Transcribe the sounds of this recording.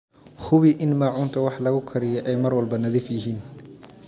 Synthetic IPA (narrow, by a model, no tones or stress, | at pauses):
hʊβiʔɪnmaːʕʊnt̪ʰɐwɑħlɐɣʊkʰɐɾɪjɛʔɛjmɐrwɐlbɐnɐðɪfjɪɦiːn